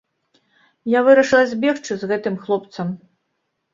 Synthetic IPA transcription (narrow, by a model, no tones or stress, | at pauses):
javɨɾɐʂɨlˠɐzʲbʲɛxt͡ʂɨzɣɛt̪ɨmxlˠɔpt̪sɐm